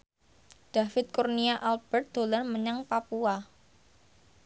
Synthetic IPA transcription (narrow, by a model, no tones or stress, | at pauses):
d̥a̤fɪt̪̚kurniaʔalb̥ərt̪̚d̪̥o̤larməɲaŋpapua